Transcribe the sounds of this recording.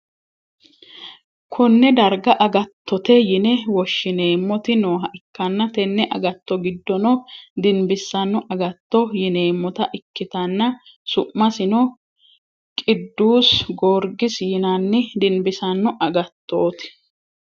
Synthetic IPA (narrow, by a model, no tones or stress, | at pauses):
kʰʊnːɛd̪ɐɾɡɐʔɐɡɐt̪ːɔt̪ɛjɪnɛwɔʃːɪneːmːɔt̪ɪnoːɦɐʔɪkːɐnːɐt̪ɛnːɛʔɐ̰ɡɐt̪ːɔɡɪd̪ːɔnɔd̪ɪnbɪsːɐnːɔʔɐɡɐt̪ːɔjɪne̞ːmːɔt̪ɐʔɪkːɪt̪ɐnːɐ | sʊʔːɐsɪnɔ | kʼɪd̪ːuːsɡoːɾɡɪsjɪnɐnːɪd̪ɪnbɪsɐnːɔʔɐɡɐt̪ːoːt̪ɪ̥